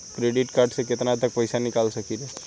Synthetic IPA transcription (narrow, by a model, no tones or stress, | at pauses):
kɾeɖiʈkaɾɖsəket̪nat̪ək̚pəjsanikalʃəkiɾe